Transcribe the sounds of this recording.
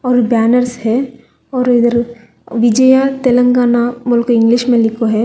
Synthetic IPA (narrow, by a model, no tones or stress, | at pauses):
ɔːɾbɛːnəɾshɛ | ɔːɾɪd̪əɾ | ʋɪd͡ʒəjat̪elə̃ŋɡaːnamʊlkoɪ̃ŋɡliʃmẽlɪkʰoɦɛ